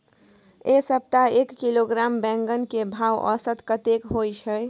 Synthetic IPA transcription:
esəp̚t̪aekːiloɡɾambɛ̃ŋɡənkebʱaːwʔə̰sət̪kət̪ekɦojt͡ʃʰəj

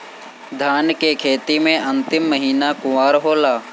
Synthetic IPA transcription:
d̪ʱaːnkekʰeːt̪imẽʔɐ̃nt̪ɪmːəɦiːnakʊwaːɾɦoːlaː

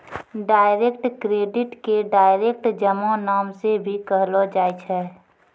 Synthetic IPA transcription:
ɖaːɪɾeːkʈkɾeːɖɪʈkeɖaːɪɾeːk̚ʈd͡ʒəmõnaːmsebʱikəɦlod͡ʒaːjt͡ʃʰɛː

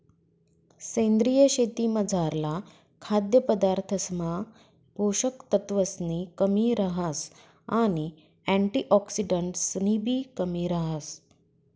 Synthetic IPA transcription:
sẽnd̪ɾijəɕet̪iːməd͡zʱaɾla | kʰad̪jəpəd̪aɾt̪ʰəsma | bʱoɕəkt̪ət̪ʋəsnikəmiːɾəɦas | aɽi | æ̃ɳʈiʔɔksiɖəɳʈsnibʱiːkəmiːɾəɦas

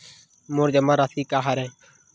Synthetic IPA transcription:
moːɾd͡ʒəmãːɾaːsiːkaːɦaɾɛ̃ː

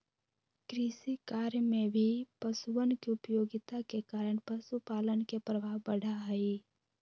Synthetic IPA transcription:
kɾisikaːɾjmẽbʱipəsuʋənkiʊpəjoːɡɪt̪akekaːɾəɽ̃pəsupaːlənkepɾəbʱaːɦbəɽ̤ʱaɦɛi

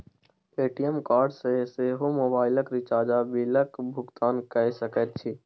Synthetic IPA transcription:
eːʈijəmkaːɾɖsəɦseɦomoːbaːɪləkɾɪt͡ʃaːd͡ʒabiləkbʱʊɡt̪aːnkəsəkət̪̚t͡ʃʰi

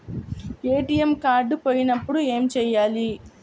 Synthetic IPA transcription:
eːʈijemkaːɾɖpoːjinɐpːuɽue̞ːmt͡ʃɛːjaːli

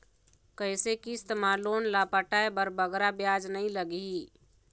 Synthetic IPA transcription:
kəɪsekist̪mãloːnlaːpaʈaebəɾbəɡɾabjaːd͡ʒnəɦĩləɡiiː

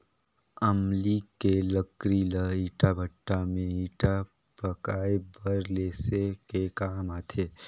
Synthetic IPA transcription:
əmlikeləkɾiləiːʈabʱəʈːamẽiːʈa | pəkaːebʱəɾleːsekekaːmaːt̪ʰeː

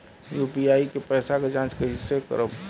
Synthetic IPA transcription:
juːpiaːikepɛːsakad͡ʒãːt͡ʃkəɦisekə̰ɾəb

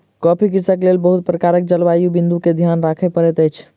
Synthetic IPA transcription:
kɔpʰikiɾsakelelbəɦut̪̚pɾəkaɾək̚d͡ʒəlʋajubĩnd̪uked̪ʱjanɾakʰɛpəɾɛt̪əjt͡ʃʰ

